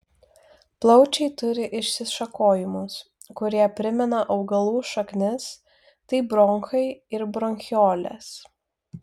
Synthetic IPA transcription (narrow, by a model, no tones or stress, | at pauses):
plˠɒʊt͡ʃʲɛɪt̪ʊɾʲɪʔɪʃʲsʲɪʃɐkoːjɪmʊs | kʊɾʲiɛpʲɾʲɪmʲɛnɐʔɐʊɡɐlˠuːʃɐknʲɪs | t̪ɐɪbɾɔŋkɐɪɪɾbɾɔŋʲxʲoːlʲɛ̰s